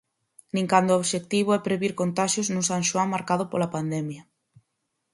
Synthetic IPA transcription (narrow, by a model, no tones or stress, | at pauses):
nĩŋkand̪ooβʃek̚t̪iβ̞oɛpɾeβiɾkont̪aʃjoznũsaŋʃoaŋmaɾkað̞opolapand̪ɛmja